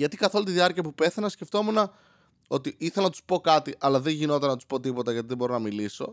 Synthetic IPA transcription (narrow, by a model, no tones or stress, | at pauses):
ʝɐt̪ikɐθo̞lunt̪iðiɐɾciɐpupe̞θɐnɐsce̞ft̪o̞munɐ | o̞t̪iiθelɐnɐt̪u̥spo̞kɐt̪iʔɐlɐðe̞ʝino̞t̪ɐnɐt̪u̥spo̞t̪ipo̞t̪ɐʝɐt̪iðebo̞ɾo̞nɐmiliso̞